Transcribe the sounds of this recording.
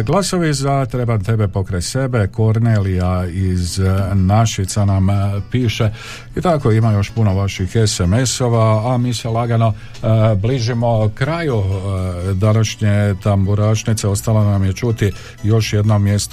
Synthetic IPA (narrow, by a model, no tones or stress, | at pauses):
ɡlˠaso̞ʋizat̪ɾebant̪e̞be̞po̞kɾajse̞be̞ko̞ɾnelijaiznaʃit̪sanampiːʃe̞ | it̪ako̞imajo̞ʃpuno̞ʋaʃixe̞seme̞so̞ʋaːmiːselˠaɡano̞ | bliːʒimo̞kɾaju | d̪anaʃɲet̪ambuɾaʃnit̪se̞o̞st̪alanamjet͡ʃut̪i | jo̞ʃje̞d̪no̞mːje̞st̪